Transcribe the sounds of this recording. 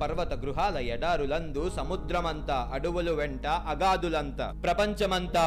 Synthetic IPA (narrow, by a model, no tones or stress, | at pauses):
pɐɾʋɐt̪ɐɡɾuɦaːlɐjɛɽaːɾulɐnd̪usɐmud̪ɾɐmɐnt̪aːʔɐɽuʋɐluʋeɳʈɐʔɐɡaːd̪ulɐnt̪ɐ̰pɾɐpɐɲt͡ʃɐmɐnt̪aː